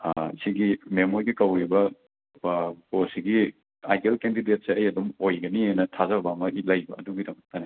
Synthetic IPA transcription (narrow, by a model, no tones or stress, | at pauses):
siɡimemoɾɡikɐwɾibɐ | posiɡi | ajdelkendidet̚seɐjɐdumojɡɐnienɐtʰazɐbamɐɦilɐjbɐːduɡidɐmɐk̚tɐne